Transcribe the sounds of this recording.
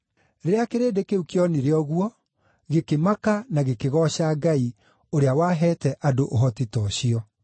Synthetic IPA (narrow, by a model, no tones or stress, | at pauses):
ɾeeakeɾeːdekeukjɔniɾeɔɣwɔ | ɣekemakanaɣekeɣɔɕaːɡai | oɾeawaɦɛːtɛʔadoʔoɦɔtitɔɕiɔ